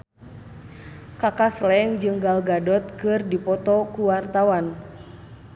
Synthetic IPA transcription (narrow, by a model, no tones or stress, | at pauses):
kakaslɛŋd͡ʒɨŋɡalɡadɔt̪̚kɨrdipɔt̪ɔkuwart̪awan